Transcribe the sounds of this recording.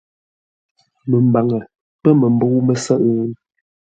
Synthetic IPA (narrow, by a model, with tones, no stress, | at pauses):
mə˨m˨ba˨ŋə˨ | pə˦mə˨mbo˦wmə˨sə˦ʔn